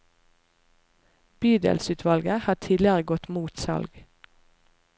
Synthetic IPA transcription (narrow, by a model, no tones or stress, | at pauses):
b̥yːd̪ə̰lsʉːt̪ʰʋɑlɡəhɑːʈʰiːd̪lɪəʁəɡɔt̪muːt̪sɑ̰lɡ